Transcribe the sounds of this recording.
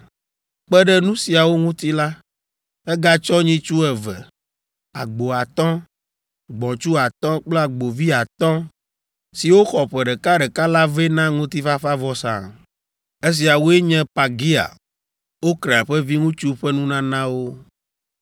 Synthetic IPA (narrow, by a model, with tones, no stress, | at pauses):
k͡pɛ˦ɖɛ˦nũ˦si˨a˨wo˦ŋũ˦t̪i˦la˦ | ɛ˦ɡa˦t͡ʃɔ˦ɲĩ˦t͡ʃu˦ɛ˨vɛ˨ | a̰˨ɡ͡bo˨a˨t̪ɔ̃˦ | ɡ͡bɔ̃˨t͡ʃu˦a˨t̪ɔ̃˦k͡ple˦a˨ɡ͡bo˨vi˦a˨t̪ɔ̃˦ | si˨wo˦xɔ˨ɸɛ˨ɖɛ˨ka˦ɖɛ˨ka˦la˦ve˦nã˦ŋũ˦t̪i˦fa˦fa˦vɔ˦sã̰˨ | e˦s̬i˨a˨wo˦e˦ɲɛ̃˦pa˨ɡi˦a̰˨ | wo˦kɾe˨a˨ɸɛ˦vi˦ŋũ˦t͡ʃu˦ɸɛ˦nũ˦nã˦nã˦wo˦